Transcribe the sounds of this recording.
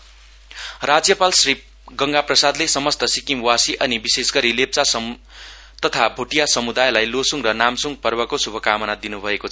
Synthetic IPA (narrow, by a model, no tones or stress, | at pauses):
rad͡zjʌpalsri | ɡʌŋɡaprʌsad̪lesʌmʌst̪ʌsikimwasiʔʌnibisesɡʌɾilep̚t͡sasʌ | t̪ʌt̪ʰabʱuʈijasʌmud̪ajlajlosuŋrʌnamsuŋɡ̚pʌrbʌkosubʱʌkamʌnad̪inubʱʌekot͡sʰʌ